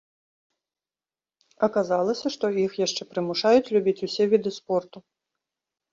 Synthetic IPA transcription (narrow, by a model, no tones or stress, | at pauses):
ɐkazalˠɐsʲɐʂt̪ɔixjaʂt͡ʂɛpɾɨmuʂajut͡sʲlʲubʲit͡sʲusʲɛvʲid̪ɨspɔrt̪u